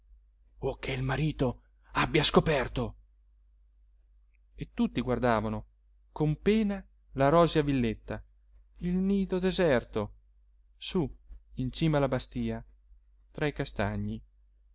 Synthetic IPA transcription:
ok̟ʰːeilmaɾiːt̪o | abːjaskopɛrt̪o | et̪ːut̪ːiɡward̪aːvano | kompeːna | laɾɔːzjavilːet̪ːa | ilniːd̪od̪ezɛrt̪o | suint͡ʃiːmalabast̪iːa | t̪ɾaikast̪aɲːi

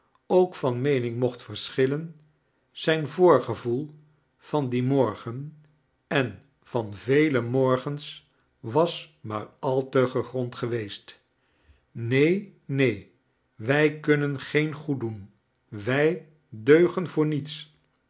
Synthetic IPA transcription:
owkfɑnmejnɪŋmɔχtfəɹsχɪlən | z̥ɛjnvʊːɹχəvulˠ | v̥ɑndimɔɹχən | ɛn | v̥ɑnvejləmɔɹχəns | ʋɑsma̰ːɹɑlˠtəχəχrɔntχəʋejst | nejnej | ʋɛjkɵnənχejnχudun | ʋɛj | døɥχənvʊːɹnits

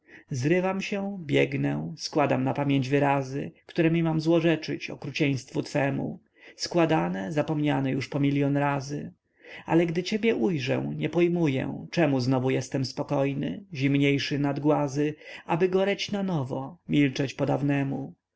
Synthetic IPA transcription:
zɾɘvamɕɛ̃bʲjɛɡnɛskwad̪amnapamʲjeɲd͡ʑvɘɾazɘ̰kt̪uɾɛmʲimamzwɔʐɛt͡ʂɘ̰t͡ɕɔ̰kɾut͡ɕɛj̃st̪fut̪fɛmṵ | skwad̪anɛzapɔmɲanɛjuʂpɔmʲiljɔnɾazɘ | a̰lɛɡd̪ɘt͡ɕebʲjɛʔujʐɛ̰w̃ɲɛpɔjmujɛ̰̃t͡ʂɛmuznɔvujɛst̪ɛmspɔkɔjnɘ̰ʑimɲejʂɘnad̪ɡwazɘabɘɡɔɾɛt͡ɕnanɔvɔ̰mʲilt͡ʂɛt͡ɕpɔd̪avnɛmu

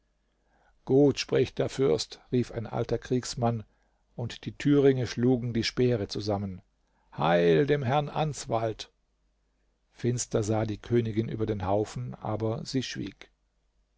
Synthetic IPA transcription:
ɡ̥uːtʃpʁ̥ɪçd̥eːɐfʏɐstʁiːfa̰ɪnʔa̰ltɐkʁ̥iːksman | ʊntd̥iːtʰyːʁɪŋəʃluːɡŋ̩diːʃpɛːʁət͡suzamən | ha̰ɪldeːmɦɛɐnʔa̰nsv̥alt | fɪnstɐzaːdiːkʰøːnɪɡɪnʔyːbɐdeːnhaʊfn̩ʔa̰ːbɐziːʃv̥ḭːk

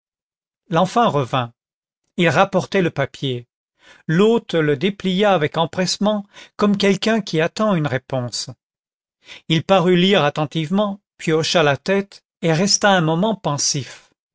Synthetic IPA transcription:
lɑ̃fɛ̃ʁəvɛ̃ | ilʁapɔʁt̪ɛləpapje | lot̪ləd̪eplijaːvɛkɑ̃pχɛsmɑ̃kɔmkʲɛlkɛ̃kʲiat̪ɑ̃ynʁepɔ̃s | ilpaʁyliʁat̪ɑ̃t̪ivmɑ̃ | pɥiɔʃalat̪ɛt̪ | eʁɛst̪aɛ̃mɔmɑ̃pɑ̃sif

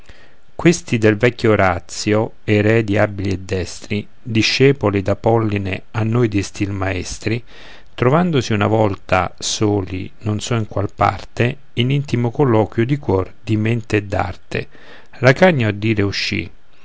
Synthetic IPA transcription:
kwest̪id̪elvɛkʲːoːɾat̪sːjo | eɾɛd̪iabiliɛd̪ːɛst̪ɾi | d̪iʃːɛːpolid̪apɔlːinḛanːojd̪ist̪ilmaɛst̪ɾi | t̪ɾovand̪osiuna̰vɔlt̪a̰soːlḭnonsɔiŋkwalpa̰rt̪e | inint̪imokolːɔːkwjod̪ikwɔrd̪iment̪eːd̪ːa̰rt̪ḛ | lakaɲːaad̪ːiːɾeuʃːḭ

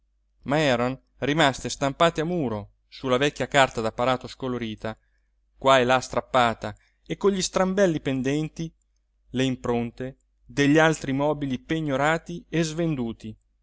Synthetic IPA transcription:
maɛːɾon | rimast̪est̪ampaːt̪eamuːɾo | sulavɛkʲːjakart̪ad̪apːaɾaːt̪oskoloɾiːt̪a | kwaelast̪ɾapːaːt̪a | ekːoɲʎist̪ɾambɛlːipend̪ɛnt̪i | leimpɾont̪e | d̪eʎːialt̪ɾimɔːbilipeɲːoɾaːt̪iezvend̪uːt̪i

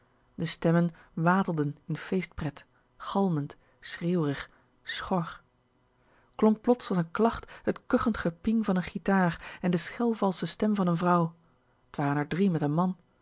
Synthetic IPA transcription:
dəstɛmənʋaːtəlˠdənɪnfejst̚prɛt | χɑlˠmənt | sreːwrəχ | sχɔɹ | klɔŋk̚plɔtsɑsənklɑχthətkøχəntχəpɪŋvɑnənχitaːrɛndəsχɛlˠvɑlˠsəstɛmvɑnənvrʌw | ətʋaːrənɛɹdrimɛtənmɑn

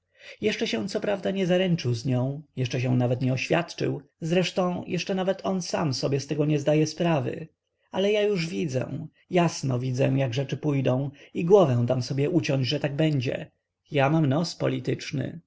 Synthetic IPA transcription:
jɛʂt͡ʂɛɕɛ̃w̃t̪sɔpɾavd̪aɲɛzaɾɛnt͡ʂɘwzɲɔ̃w̃jɛʂt͡ʂɛɕ̬ɛw̃navɛt̪ɲɛɔɕfʲja̰t̪t͡ʂɘ̰wzɾɛʂt̪ɔ̃w̃jʔɛʂt͡ʂɛnavɛt̪ʰɔnsa̰msɔbʲjɛst̪ɛɡɔɲɛzd̪ajɛspɾavɘ̰ | alɛjajuʐvʲid̪zɛ̰̃ | jasnɔvʲid̪zɛ̰w̃jaɡʐɛt͡ʂɘpujd̪ɔ̃w̃iɡwɔvɛ̃w̃d̪amsɔbʲjɛʔut͡ɕɔɲd͡ʑʐɛt̪aɡ̚bɛɲd͡ʑɛ̰ | jamamnɔspɔ̰lʲit̪ɘt͡ʂnɘ̰

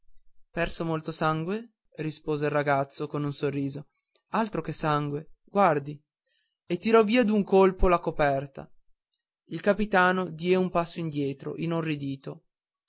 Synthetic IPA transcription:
pɛrsomolt̪osaŋɡwe | rispoːzeilraɡat̪sːokonunsorːiːzo | alt̪ɾokesaŋɡweɡ̥ward̪i | et̪ːiɾɔviːad̪uŋkolpolakopɛrt̪a̰ | ilkapit̪aːnod̪jɛumpasːoind̪jɛːt̪ɾo̰ʔinonrid̪iːt̪o

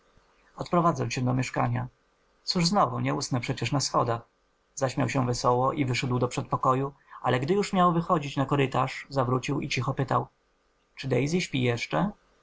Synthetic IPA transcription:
ɔt̪pɾɔvad̪zɛwɕɛd̪ɔmʲjɛʂka̰ɲa | t̪suʐznɔvuɲɛusnɛpʂɛt͡ɕɛʂnasxɔd̪ax | zaɕmʲjawɕɛvɛsɔwɔʔivɘʂɛd̪wd̪ɔpʂɛt̪̚pɔkɔjualɛɡd̪ɘjuʂmʲjawvɘxɔd͡ʑit͡ɕnakɔɾɘt̪aʂzavɾut͡ɕiwḭt͡ɕixɔpɘt̪aw | t͡ʂɘd̪ɛjzʲiɕpʲijɛʂt͡ʂɛ

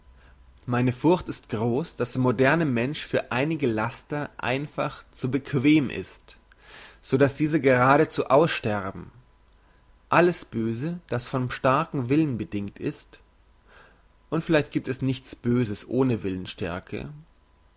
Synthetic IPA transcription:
maɪnəfʊɐçtɪstɡ̥ʁoːsd̥asd̥eɐmodɛɐnəmɛnʃfyːɐʔaɪnɪɡəlastɐʔa̰ɪnfa̰χt͡subəkʰv̥eːməmʔɪ̰st | z̥oːdasd̥iːzəɡəʁaːɾət͡suːʔaʊsʃtɛʁbm̩ | ʔaləsb̥øːzəd̥asfɔnʃtaɐkŋ̩vɪlənbədɪŋk̚tɪ̰st | ʔʊntfɪlaɪçt̚ɡ̥iːp̚tɛsnɪçt͡sb̥øːzəsʔoːnəvɪlənʃtɛ̰ɐkʰə̰

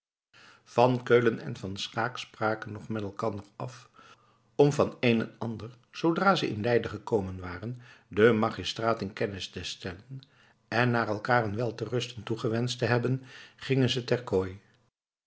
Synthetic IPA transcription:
v̥ɑnkøɥlənɛ̰nvɑnsχaːkspraːkənɔχmɛtɛlˠkɑndəɹɑf | ɔmvɑnejnənɑndəɹ | z̥owdraːzəʔɪ̰nlɛjdəχəkowmənʋaːrəndəmaːχistraːtɪnkɛnɪstəstɛlən | ɛnːaːrɛlˠkaːənʋɛlˠtərɵstəntuχəʋɛnstəɦɛbənχɪŋənzətɛɹkoːj

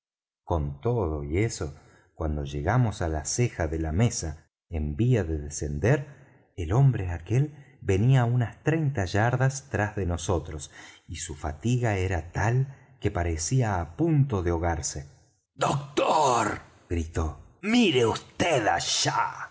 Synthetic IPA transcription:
ko̞nt̪o̞ðo̞ie̞so̞ | kwand̪o̞ʒe̞ɣamosalasexaðe̞lamesa | embiaðeðese̞nd̪eɾ | elo̞mbɾeake̞l | be̞niaunast̪ɾe̞jnt̪aʒaɾðast̪ɾazðeno̞so̞t̪ɾosisufat̪iɣaeɾat̪al | ke̞paɾesiaːpunt̪o̞ðeo̞ɣaɾse | d̪ok̚t̪oɾ | ɡ̥ɾit̪o̞miɾeust̪eða̰ʃa̰

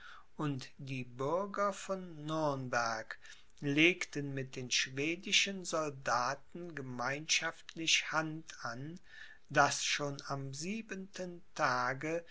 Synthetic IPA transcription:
ʔʊntd̥iːbʏɐɡɐfɔnːʏɐnbɛɐk | leːktənmɪt̚d̥eːnʃv̥eːdɪʃənzɔldaːtn̩ɡəmaɪnʃaftʰlɪçhantan | d̥asʃoːnamziːbəntʰəntʰaːɡə

